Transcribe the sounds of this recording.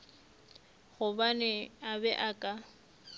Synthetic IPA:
ɣʊbanɛabɛʔakʼa

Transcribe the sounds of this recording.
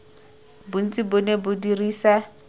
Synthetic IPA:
bʊn̩t͡sʼibʊnebʊdiriːsa

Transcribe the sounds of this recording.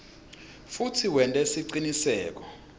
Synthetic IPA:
futʰiwɛntʼɛsiǀinisɛːk̬ɔ

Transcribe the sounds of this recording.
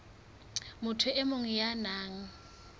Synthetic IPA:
mʊtʰʊʔɪmʊŋ̩janaːŋ̩

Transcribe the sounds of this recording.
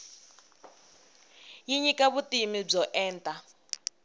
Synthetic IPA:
jiɲikʼaβutʼimib͡ʐɔʔɛːntʼa

